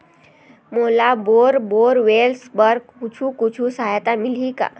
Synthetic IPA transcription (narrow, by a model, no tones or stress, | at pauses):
molaboɾboɾʋelsbəɾɡkut͡ɕʰũːkut͡ɕʰũːsaɦjat̪amilɦika̰